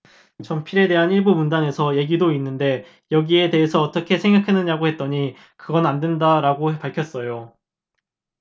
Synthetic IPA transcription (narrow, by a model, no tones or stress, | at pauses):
t͡ɕʌmpʰiɾe̞de̞ɦaniɭbumundane̞sʰʌje̞ɡidoinːɯnde̞ | jʌɡie̞de̞ɦesʰʌːt͈ʌkʰe̞sʰe̞ŋɡakʰanɯɲaɡoɦe̞t̚t͈ʌɲi | kɯɡʌnandwendaɾaɡopaɭkʰjʌs͈ʌjo